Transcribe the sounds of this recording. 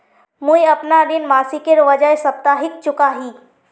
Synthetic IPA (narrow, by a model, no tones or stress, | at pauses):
mũjɐpnad̪ɪnmaːsikeɾʋəd͡ʒəjsɐp̚t̪aɦɪk̚t͡ʃʊkaɦiː